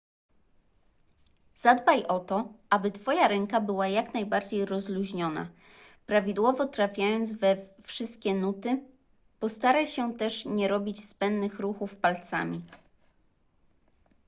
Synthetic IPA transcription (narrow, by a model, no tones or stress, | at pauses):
z̥ad̪bajʔɔt̪ɔʔabɘt̪fɔjaɾɛŋkabɘwajaknajbaɾd͡ʑejɾɔzluʑɲɔna̰ | pɾavʲid̪wɔvɔt̪ɾafʲjajɔnd̪zvɛfʂɘst̪̚kʲɛnut̪ɘ | pɔst̪aɾajɕɛt̪ɛʂɲɛɾɔbʲit͡ɕspɛnːɘxɾuxufpalt̪sa̰mʲi